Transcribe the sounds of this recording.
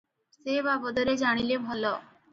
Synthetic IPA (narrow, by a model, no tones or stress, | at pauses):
sebabɔd̪ɔɾed͡ʑaɽ̃ilebʱɔlo